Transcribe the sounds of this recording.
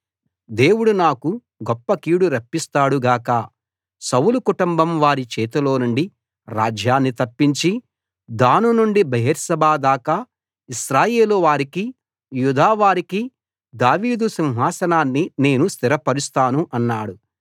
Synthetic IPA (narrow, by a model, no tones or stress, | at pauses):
d̪e̞ːwuɽunaːku | ɡɔpːɐkiːɽuɾɐpːist̪aːɽuɡaːkɐ | sɐwlukuʈumbɐmʋaːɾit͡ʃɛːt̪ulo̞ːnuɳɖi | ɾaːd͡ʒjaːnːit̪ɐpːiɲt͡ʃi | d̪aːnunuɳɖibɐɦiɾsɐbaːd̪aːka | iʃɾaːje̞ːluʋaːɾiki | jud̪ʱaːʋaːɾiki | d̪aːʋiːd̪usinɦaːsɐnaːnːine̞ːnust̪iɾɐpɐɾust̪aːnuʔɐnːaːɽu